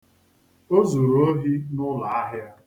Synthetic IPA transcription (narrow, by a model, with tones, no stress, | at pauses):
o˦zu˨ɾo˦ɦi˦nʊ˦la˨a˦ɦja˦